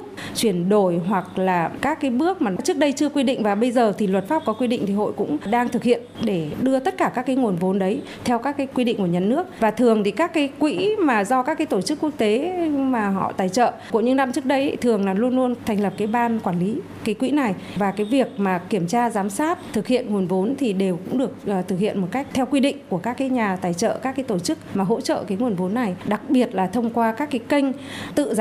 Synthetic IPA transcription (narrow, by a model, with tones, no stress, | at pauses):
ə˥t͡ɕwi˧˩ənɗo˧˩jɦwa˨˩k̚laː˨˩kaː˦˥kːaː˨˦jɓɨ˦˥ək̚maː˨˩˨t͡ɕɨ˦˥k̚ɗə˧jt͡ɕɨ˧əkwi˧ɗḭ̈˧˨ŋ̟vaː˨˩ɓə˧jzəː˨˩t̪ʰi˨˩lwə˨˩t̚faː˦˥p̚kɔ˨˦kwi˧ɗḭ˧˨ŋ̟t̪i˨˩ɦo̰˧˨jkʊ̰˧˥ŋ͡mɗaː˧ŋt̪ʰɨ˨k̚hḭ˧˨ənɗe˧˩ɗɨ˧ət̪ə˦˥t̚kaː˧˩kaː˦˥kːaː˨˦jŋu˨˩ənvo˨˦nɗə˨˦j | t̪ʰɛ˧wkaː˦˥kːaː˨˦jkwi˧ɗḭ̈˧˨ŋ̟ku˧˩əɲa˨˩nːɨ˦˥ək̚vaː˨˩t̪ʰɨ˨˩əŋt̪ʰi˨˩kaː˦˥kːaː˨˦jkwḭ˧˥maː˨˩zɔ˧kaː˦˥kːaː˨˦t̪o˧˩t͡ɕɨ˦˥kːwu˦˥ək̚t̪e˨˦maː˨˩ɦɔ̰˧˨t̪aː˧˩jt͡ɕə̰ː˧˨ku˧˩əɲɨ̰˧˥ŋna˧mt͡ɕɨ˦˥ək̚ɗə˨˧jt̪ʰɨ˨˩əŋlaː˨˩lu˧ənlu˧ənt̪ʰɛ˨˩ŋ̟lə˨˩p̚kaː˨˦jɓaː˧nkwaː˧˩nli˨˦ | kaː˨˦jkwḭ˧˥na˨˩j | vaː˨˩kaː˨˦jvi˨˩ək̚maː˨˩ki˧˩əmt͡ɕaː˧zaː˨˦msaː˦˥t̚t̪ʰɨ˨˩k̚hḭ˧˨ənŋu˨˩ənvo˨˦nt̪ʰi˨˩ɗe˨˩wkʊ̰˧˥ŋ͡mɗɨ˨˩ək̚ːt̪ʰɨ˨˩k̚hḭ˧˨ənmo˨˩t̚ka˦˥jk̚t̪ʰɛ˧wkwi˧ɗḭ̈˧˨ŋ̟ku˧˩əkaː˦˥kːaː˨˦jɲaː˨˩t̪aː˨˩jt͡ɕə̰ː˧˨ʔkaː˦˥kːa˨˦t̪o˧˩t͡ɕɨ˦˥k̚maː˨˩ɦo̰˧˥t͡ɕə̰˧˨kaː˨˦jŋu˨˩ənvo˨˦nːa˨˩jɗa˨˩k̚ɓi˨˩ət̚laː˨˩t̪ʰə˧wŋ͡mkwaː˧kaː˦˥kːa˨˦jkə˧jŋ̟t̪ɨ̰˧˨